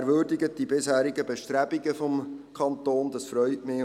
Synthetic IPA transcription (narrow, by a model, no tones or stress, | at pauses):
ɾʋʏːɾdiɡət̚d̥ibɪshæːɾiɡəbɛʃtɾæb̥iɡəfɔmkʰɑnt̪oːnd̥ɑsfɾœʏtmɪ